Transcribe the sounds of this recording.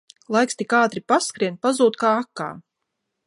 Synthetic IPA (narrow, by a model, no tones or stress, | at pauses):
lˠajkst̪ikaːt̪ɾipaskɾiɛnpazuːt̪kaːakːa̰ː